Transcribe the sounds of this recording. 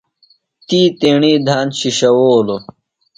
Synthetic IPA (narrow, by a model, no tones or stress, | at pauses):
t̪iːt̪eːɳiːd̪ʱaːnɕiɕɐwoːlo